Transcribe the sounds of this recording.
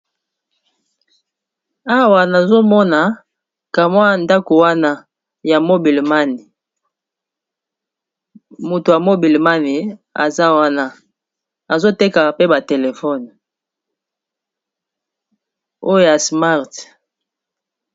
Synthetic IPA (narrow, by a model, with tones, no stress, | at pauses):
a˦wa˨na˨zo˦mɔ˦na˨ | ka˨mwa˦nda˦ko˨wa˦na˦ | ja˨mo˦bi˨le˨ma˦ni˨ | mo˨to˨ja˨mo˦bi˨lma˦ni˨a̰˨za˦wa˦na˦ | a˨zo˦te˦ka˨pe˦ba˨te˨le˨fɔ˦˨n | o˦jo˦ja˨sma˦ʁt